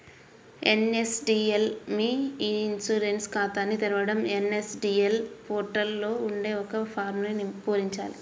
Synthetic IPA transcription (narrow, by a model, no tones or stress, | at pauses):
ḛnesɖiːelmiinsuːɾenskaːt̪aːnːit̪iɾɐʋɐɽɐmenesɖiːelpoːɾʈɐlːo̞ːuɳɖe̞ːɔkɐpʰaːɾmnenpoːɾiɲt͡ʃa̰ːli